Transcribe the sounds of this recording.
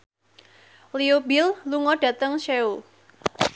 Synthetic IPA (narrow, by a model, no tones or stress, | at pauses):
liobɪlluŋɔɖ̥ä̤t̪əŋʃeu